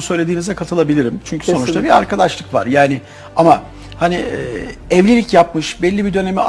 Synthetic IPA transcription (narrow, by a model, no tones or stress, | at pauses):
sø̞jlʲe̞d̪iːnizɛkʰat̪ʰɯlˠabilʲiɾimt͡ʃʰyɲcʰy̥sso̞nut͡ʃt̪ʰabiaɾkʰad̪aʃlˠɯkva̰ɾjaːnɪ | ama | haniː | ɛvlʲelʲicjap̚mɯʃbɛlʲːibid̪ø̞ne̞mia